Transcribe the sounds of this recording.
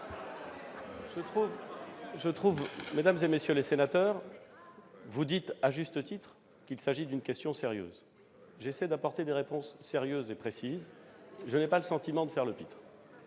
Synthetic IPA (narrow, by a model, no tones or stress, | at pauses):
uvʒət̪χuvmed̪amzemesjølesenat̪œːʁ | vud̪it̪aʒyst̪ət̪it̪χ | kʲilsaʒid̪ynkʲɛst̪jɔ̃seʁjø̰ːz | ʒesɛd̪apɔʁt̪ed̪eʁepɔ̃sːeʁjøzepχesizʒənɛpaləsɑ̃t̪imɑ̃d̪əfɛʁləpit̪χ